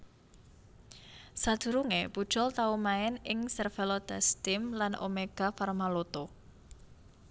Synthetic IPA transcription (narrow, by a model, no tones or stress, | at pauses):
sad̪̥ṳɾuŋepud̥ʒ̥ɔ̤lt̪aumaɛnɪŋsɛrfɛlod̪̥ast̪ɪmlanʔo̰meɡ̥a̤farmalot̪o